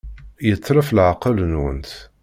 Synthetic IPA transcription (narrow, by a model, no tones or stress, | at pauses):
jət͡sˤːɾəflʕaqələnwə̰nt̪